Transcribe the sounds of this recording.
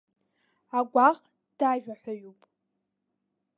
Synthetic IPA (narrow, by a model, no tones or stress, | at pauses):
aɡʷaqʼ | d̥aʒᶣaħʷᶣaɥupʼ